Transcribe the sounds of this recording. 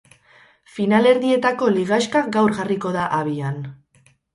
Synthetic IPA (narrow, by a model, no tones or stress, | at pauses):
finale̞ɾðie̞t̪ako̞liɣ̞ajʃkaɡawɾɣariko̞ðaʔaβian